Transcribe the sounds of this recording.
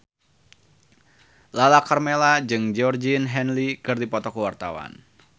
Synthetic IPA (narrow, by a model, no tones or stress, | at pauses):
lalakarmelad͡ʒɨŋd͡ʒɔrd͡ʒinɦɛnlikɨrdipɔt̪ɔkəwart̪awa̰n